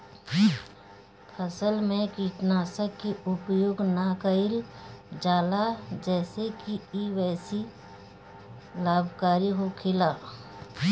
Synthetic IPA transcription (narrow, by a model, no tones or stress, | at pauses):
pʰəsəlmẽkiːʈnaːsəkiʊpjoːɡnakəɪld͡ʒaːlad͡ʒɛːsekiiʋɛːsi | laːbʱkaːɾiɦokʰɪlaː